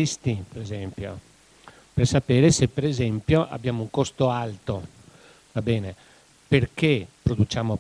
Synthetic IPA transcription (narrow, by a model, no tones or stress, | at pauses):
ist̪ipeɾezɛmpjo̰ | persapeːɾesepːeɾezɛmpjoʔa̰bːjaːmouŋkost̪oalt̪o | vabɛːne | perkepɾod̪ut͡ʃaːmo